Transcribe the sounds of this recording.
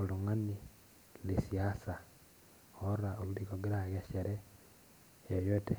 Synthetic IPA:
oluŋani | lesiasa | oɾaoluɾikoɡiɾaɣeʃeɾe | ejote

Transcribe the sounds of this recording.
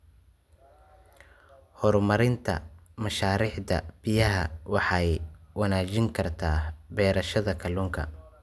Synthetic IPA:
hɔrmɐɾɪnt̪ʰɐ̰mɐʃaːɾiːħd̪ɐ̰b̥ɪjɐɦɐwɑħɑjwɐnaːt͡ʃɪŋkʰɐrt̪ʰaːbɛːɾɐʃɐðɐkʰɐlʊŋkʰɐ̰

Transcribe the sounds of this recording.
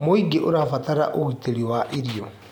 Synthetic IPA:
moiɡeʔoɾafataɾa̰ʔoiteɾiwaʔiɾiɔ

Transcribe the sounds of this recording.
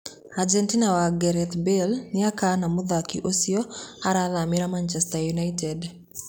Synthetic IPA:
ad͡ʒɛntinawaɡɛɾɛt̪belnɪakanamʊðakiʔosiɔaɾaðamiɾamant͡ʃɛstajunaitɛd

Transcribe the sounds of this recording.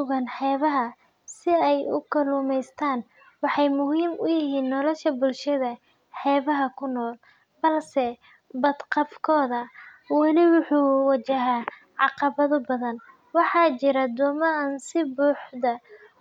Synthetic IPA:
sʊɣɐnħɛːβɐɦɐ | sɪɛjʊ̰kʰɐluːmɛjst̪ʰaːn | wɑħɑjmʊɦiːmʊjɪɦiːnːɔlɔʃɐbʊlʃɐðɐ | ħɛːβɐɦɐkʰʊnːɔːl | bɐlsɛ | bɐd̪qɑfkʰɔːðɐ | wɑlɪwʊħuːwɐt͡ʃɐɦaː | ʕɑqɑβɐðʊbɐðɐn | wɑħɑːt͡ʃɪɾɐd̪ɔːmɐɐnsɪbuːħd̪ɐ

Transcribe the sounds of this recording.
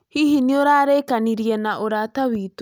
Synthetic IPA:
hihinioɾaːɾekaniɾiɛnaʔoɾataβiːto

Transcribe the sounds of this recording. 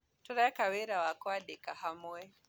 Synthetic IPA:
tɔɾaakaweɾawakwaɗɛkahamuɛ

